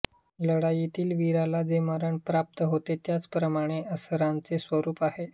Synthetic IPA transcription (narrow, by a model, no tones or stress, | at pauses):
ləɽajit̪iːlʋiɾalad͡zeməɾəɳpɾap̚t̪əɦot̪et̪jat͡spɾəmaɽ̃eʔəsəɾãnt͡sesʋəɾuːpahe